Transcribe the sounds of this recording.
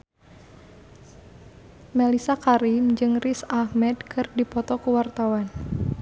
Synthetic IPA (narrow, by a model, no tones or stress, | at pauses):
mɛlisakaɾimd͡ʒɨŋrisahmɛdkʰɨrdipɔt̪ɔkuwart̪awan